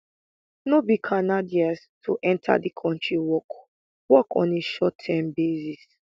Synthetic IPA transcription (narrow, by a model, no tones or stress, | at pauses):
nobikʰanadias | tʰuʔɛ̃ntʰa̰dikʰɔ̃ntʰɹiwɔk | wɔkɔ̰̃neʃɔtʰːɛmbezis